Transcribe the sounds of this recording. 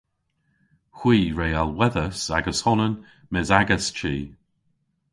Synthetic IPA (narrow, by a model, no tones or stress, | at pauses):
xwiːɹejalˠwɛðəsa̰ɡəshɔnən | mɪzaɡəst͡ʃʰiː